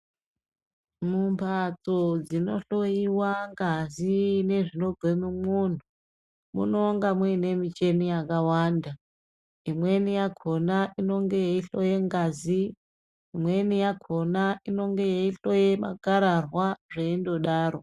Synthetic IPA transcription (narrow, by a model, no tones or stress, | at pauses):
mumpʰat͡sod͡zino̞ɬo̞jiwaŋɡazine̞ʐino̞bʱemumun̤u | mṵno̞ŋɡamwine̞mit͡ʃe̞nijakawanda | imwe̞nijaɡʰʱonaʔino̞ŋɡe̞jeiɬo̞jeŋɡaziː | mwe̞nijakʰo̞naino̞ŋɡejeiɬo̞jema̰ɡaɾarwaʐeindo̞ɗaːro